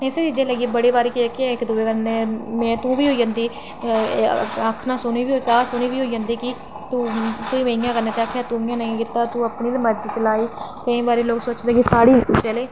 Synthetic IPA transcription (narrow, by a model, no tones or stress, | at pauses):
eseːt͡ʃid͡ʒẽːləɡiːbəɽeːbaːɾiːkikɪɪkd̪ʊːeːkəneːmɛ̃ːt̪ũːʋiːɦoːiːd͡ʒãnd̪iː | akʰnaːsʊniːʋiːoikaːsʊniːʋiːɦoːiːd͡ʒə̃nd̪iːki | t̪uːkoːiːmẽɪjãːkəɾneːt̪eaːkʰeat̪ũːɪjãːnəĩkɪt̪ːaːt̪ũːəpniːd̪məd͡ʒisəlaːiːkəĩːbaːɾiːloːɡsoːt͡ʃd̪eːkisaːɽiːt͡ʃəleː